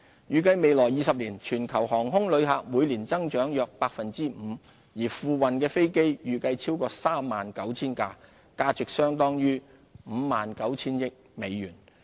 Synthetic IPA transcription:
jyː˨˩kɐ˧jme˨jlɔː˨˩jiː˨˧sɐ˨p̚liː˨˩nt͡ʃʰyː˨˩nkʰɐ˨˩wɦɔː˨˩ŋɦʊ˥ŋlɵ˨˧ɥɦaː˨˧k̚muː˨˧jliː˨˩nt͡sɐ˥ŋt͡ʃœː˨˥ŋjœː˨k̚paː˧k̚fɐ˨nt͡siː˥m̩ː˨˧ | jiː˨˩fuː˧wɐ˨nkɛː˧fe˥jke˥jjyː˨˩kɐ˧jt͡sʰiː˥wkɔː˧saː˥mːaː˨nkɐ˨˥wt͡sʰiː˥nkaː˧ | kaː˧t͡sʏ˨k̚sœː˥ŋt̪ɔː˥ŋjyː˥ | m̩ː˨˧maː˨nkɐ˨˥wt͡sʰiː˥njɪ˥k̚me˨˧jːyː˨˩n

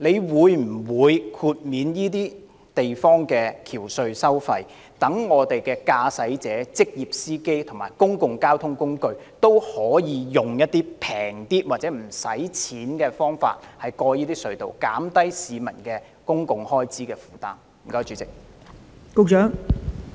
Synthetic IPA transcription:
le˨˧jwuː˨˧jm̩˨˩wuː˨˧jkʰuː˧t̚miː˨˧njiː˥t̪iː˥ | t̪e˨jfɔː˥ŋkɛː˧kʰiː˨˩wsɵ˧ɥsɐ˥wfɐ˧j | t̪ɐ˨˥ŋːɔː˨˧t̪e˨jkɛː˧kaː˧sɐ˨˥jt͡sɛː˨˥t͡sɪ˥k̚jiː˨p̚siː˥ke˥jt̪ʰʊ˨˩ŋmaː˨˩jkʊ˥ŋkʊ˨ŋkaː˥wt̪ʰʊ˥ŋkʊ˥ŋkɵ˧ɥ | t̪o˥whɔː˨˥jiː˨˧jʊ˨ŋjɐ˥t̚t̪iː˥pʰɛː˨˩ŋt̪iː˥t̚waː˨t̚t͡sɛː˨˥m̩˨˩sɐ̰˨˥jt͡sʰiː˨˥nkɛː˧fɔː˥ŋfa̰ː˧t̚hɐ˨jkɔː˧jiː˥t̪iː˥sɵ˧ɥt̪o̰˨wkaː˨˥mt̪ɐ˥jsiː˨˧mɐ˨˩nkɛː˧ | kʊ˥ŋkʊ˨ŋhɔː˥jt͡siː˥kɛː˧fu̥ː˨˩t̪aː˥m | m̩˨˩kɐ˧wt͡ʃyː˨˥t͡sɪ˨k̚ | ko˥wt͡ʃœː˨˥ŋ

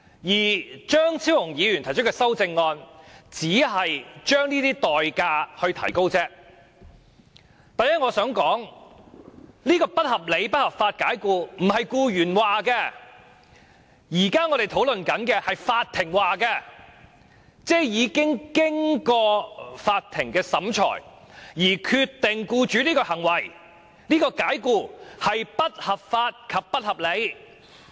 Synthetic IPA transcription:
jiː˨˩t͡ʃœː˥ŋt͡sʰiː˥wʊ˨˩ŋjiː˨˧ɥy˨˩nt̪ʰɐ˨˩t͡ʃ̚ʰkːɛ˧sɐ˥wt͡sɪ˧ŋːɔː˧nt͡siː˨˥ɦɐ˨jt͡ʃœː˥ŋniː˥t̪iː˥t̪ɔː˨jkaː˧hɵ˧ɥt̪ʰɐ˨˩jko˥wt͡sɛː˥ | t̪aː˨nɛː˥ŋɔː˨˧sœː˨˥ŋkɔː˨˥ŋ | liː˥kɔː˧pɐ˥t̚hɐ˨p̚le˨˧jpɐ˥t̚hɐ˨˩p̚faː˧t̚kaː˨˥jkuː˧m̩˨˩ɦɐ˨jkuː˧ɥyː˨˩nwaː˨˩kɛː˧ | jiː˨˩kaː˥ŋɔ˨˧ɾe˨jt̪ʰo˨˥wlɵ˨nkɐ˨˥nkɛː˧hɐ˨jfaː˧t̪̚ʰːɪ˨˩ŋwaː˨kɛː˧ | t͡sɛː˥jiː˨˧kɪ˥ŋkɪ˥ŋkɔː˧faː˧t̪ʰɪ˨˩ŋkɛː˧sɐ˨˥mt͡ʃʰɔ̰ː˨˩j | jiː˨˩kʰyː˧t̪ːɪ˨ŋkuː˧t͡ʃyː˨˥liː˥kɔː˧hɐ˨˩ŋwɐ˨˩j | liː˥kɔː˧kaː˨˥jkuː˧hɐ˨jpɐ˥t̚hɐ˨p̚faː˧t̚kʰɐ˨pːɐ˥t̚hɐ˨p̚le˨˧j

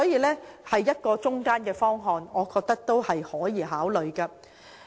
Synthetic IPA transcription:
ɔː˨˥jiː˨˧lɛː˥hɐ˨jːɐ˥t̚kɔː˧t͡ʃʊ˥ŋkaː˥nkɛː˧fɔː˥ŋɦɔː˧nɔː˨˧kɔː˧k̚t̪ɐ˥k̚t̪o˥whɐ˨jhɔː˨˥jiː˨˧ɦaː˨˥wlɵ˨ɥkaː˧

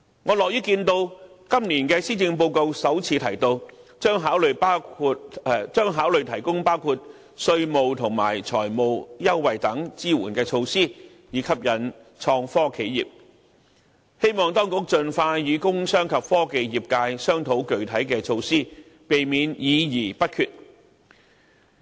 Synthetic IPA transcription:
ŋɔː˨˧lɔː˨˩k̚jyː˥kiː˧nt̪o˧w | kɐ˥mniː˨˩nkɛː˧siː˥t͡sɪ˧ŋp̬o˧wko˧wsɐ˨˥wt͡sʰiː˨˧t̪ʰɐ˨˩jt̪o˧wt͡ʃœː˥ŋɦaː˨˥wlɵ˨ɥpa˥kʰu˧t̚t͡ʃœː˥ŋɦaː˨˥wlɵ˨ɥt̪ʰɐ˨˩jkʊ˥ŋpaː˥wkʰuː˧t̚ | sɵ˧ɥmo˨wt̪ʰʊ˨˩ŋma̰ː˨˩jt͡sʰɔ̰ː˨˩jmo˨wjɐ˥wːɐ˨˩jt̪ɐ˨˥ŋt͡siː˥wuː˨˩nkɛː˧t͡ʃʰo˧wsiː˥ | jiː˨˧˥kʰɐ˥p̚jɐ˨˥n | t͡ʃʰɔː˧ŋfɔː˥kʰe˨˥jjḭː˨p̚ | he˥jmɔː˨ŋt̪ɔː˥ŋkʊ˨˥k̚t͡ʃɵ˨nfaː˧jyː˨˧kʊ˥ŋsœː˥ŋkʰɐ˨p̚fɔː˥ke˨˧jjiː˨˩p̚kaː˧jsœː˥ŋt̪ʰo˨˥wkɵ˨ɥt̪ʰɐ˨˥jkɛː˧t͡ʃʰo˧wsiː˥ | pe˨jmiː˨˧njiː˨˧jiː˨˩pɐ˥t̚kʰyː˧t̚

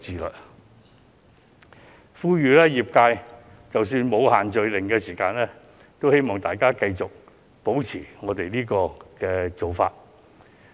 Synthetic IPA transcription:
t͡siː˨˩lɵ̰˨t̚ | fuː˥jyː˨˩lɛː˥jiː˨p̚kaː˧j | t͡sɐ˨ws̬yː˧nmo˨˧whaː˨˩nt͡ʃɵ˨ɥlɪ˨˩ŋkɛː˧siː˨˩kaː˧nlɛː˥ | t̪o˥whe˥jmɔː˨˩ŋt̪aː˨jkaː˥kɐ˧jt͡sʊ˨k̚ | po˨˥wt͡sʰiː˨˩ŋɔː˨˧t̪e˨jniː˥kɔː˧kɛː˧t͡so˨wfa̰ː˧t̚

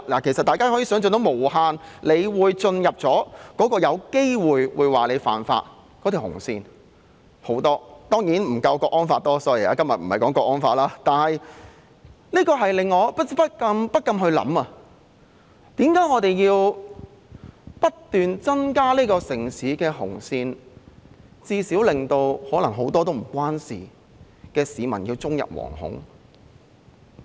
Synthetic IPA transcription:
laː˨˩kʰe˨˩jsɐt̪aː˨jkaː˥hɔ˨˥ji˧sœː˨˥ŋt͡sɵ˨˧t̪o˨˥wmo˨˩whaː˧nle˨˧jwuː˨˧jt͡sɵ˧njɐ˨p̚t͡sɔː˨˥kɔː˨˥kɔː˧jɐ˨˧wke˥jwuː˨jwuː˨˧jwaː˨˩le˨˧jfa̰ː˨nfa̰ː˧t̚ | kɔː˨˥t̪i˨whʊ̰˨˩ŋsḭː˧n | ho˨˥wt̪ɔː˥t̪ɔː˥ŋjiː˨˥nm̩˨˩kɐ˧wkɔː˧kʔɔː˥nfaː˧t̚t̪ɔː˥sɔː˨˥jḭ˨˩a̰˨˧kɐ˥mjɐ˨t̚m̩˨˩hɐ˨˩jkɔː˨˥ŋkɔː˧k̚ɔː˥nfaː˧˥laː˥t̪aː˨nhɐ˨j | liː˥kɔː˧ɦɐ˨jlɪ˨ŋːɔː˨˧pɐ˥pɐ˥t̚kɐ˧mpɐ˥t̚kːɐ˧mɦɵ˧ɥlɐ̰˨˥mɐ˧ | t̪iː˨˥mkaː˨˥jŋɔː˨˧t̪e˨˩jjiː˧w | pɐ˥tt̪yː˨nt͡sɐ˥nkaː˥liː˥kɔː˧sɪ˨˩ŋsiː˨˥kɛː˧ɦʊ̰˨˩ŋsiː˧n | t͡siː˧siː˨˥wlɪ˨ŋt̪o˧whɔː˨˥lɐ˨˩ŋɦo˨˥wt̪ɔː˥t̪o˥wm̩˨˩kʷwaː˥nsḭː˨ | kɛː˧siː˨˧mɐ̰˨˩njiː˧wt͡sʊ˥ŋjɐ̰˨p̚wɔ̰ː˨˩ŋhʊ̰˨˥ŋ

